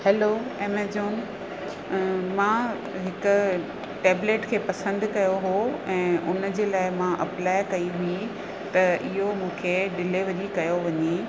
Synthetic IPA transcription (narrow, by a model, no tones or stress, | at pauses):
hɛloeːmed͡ʑoːn | mã | ɦɪkʊ̆ | ʈeːbleːʈkʰeːpɐsə̃nd̪kɐjoɦoɛ̃ːʔʊnd͡ʑeːlaːɪmãʔɐplaːɪkɐiɦuĩ | t̪ɐɪɦomũːkʰeɖɪleʋəɾikɐjoʋɐɲi